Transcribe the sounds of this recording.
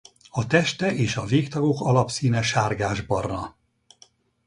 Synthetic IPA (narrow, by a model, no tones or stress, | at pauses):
ɒt̪ɛʃt̪ɛʔeːʃɒveːkt̪ɒɡo̞kɒlɒpsiːnɛʃaːrɡaːʒbɒrnɒ